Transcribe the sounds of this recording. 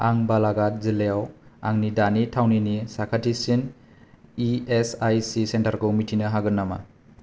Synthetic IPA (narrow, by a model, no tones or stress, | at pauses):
aŋbalaɡat̚zilejawa̰ŋnidanitʰawninisakʰatʰisin | iesajsisentaɾkomitʰinɐɦaɡɯnːama̰